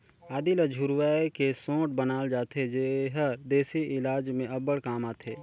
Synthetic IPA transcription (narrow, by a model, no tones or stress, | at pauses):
aːd̪iləd͡ʒʱʊɾwaːekesõːʈ̚bənaːld͡ʒaːt̪ʰed͡ʒeɦəɾd̪eːsiʔɪlaːd͡ʒmẽɐbəɽkaːmaːt̪ʰeː